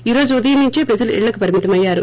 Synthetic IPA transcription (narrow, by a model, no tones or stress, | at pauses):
iːɾoːd͡ʒuuðɐjɐmiɲt͡ʃeːpɾɐd͡ʒɐlɐʔɪ̰ɭːɐkːɯpɐɾɪmɪt̪ɐmɐjːaːɾṵ